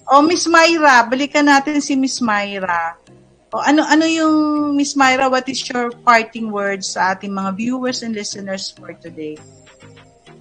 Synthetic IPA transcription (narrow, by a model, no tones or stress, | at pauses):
ʔo̞mɪsmajɾɐbɐlɪkɐnaːt̪ɪnsɪmɪsmajɾɐ | ʔoʔɐnoʔɐnojʊŋmɪsmajɾɐwɐt̪ɪsjɔɹpaɹt̪ɪŋwɛɹd̪sːɐʔaːt̪ɪŋmɐŋavjuːwɛɹsɛnd̪lɪsɛnɛɹsfɔɹt̪ʊd̪ej